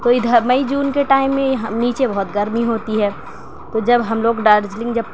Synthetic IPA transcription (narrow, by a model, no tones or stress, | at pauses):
t̪oɪd̪ʱəmɐid͡ʒuːnkeʈaːɪmːẽɦniːt͡ʃebɔɦʊt̪ɡɐɾmiɦoːt̪iɦɛː | t̪od͡ʒɐbɦɐmloːɡɖaːɾd͡ʒlɪ̃ŋɡd͡ʒɐb̚